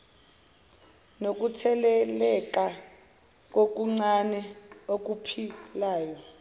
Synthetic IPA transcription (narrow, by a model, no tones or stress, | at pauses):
nok̬ʼutʰɛlɛlɛk̬ʼa | k̬ʼok̬ʼuŋ͡ǀanɛok̬ʼupʰilaːjɔ